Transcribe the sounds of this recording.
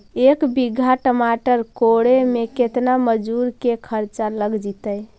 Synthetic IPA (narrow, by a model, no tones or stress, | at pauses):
ekbiɡʱaʈəmaʈəɾkoɽemeket̪naməd͡ʒuɾkekʰəɾt͡ʃaləɡd͡ʒit̪əj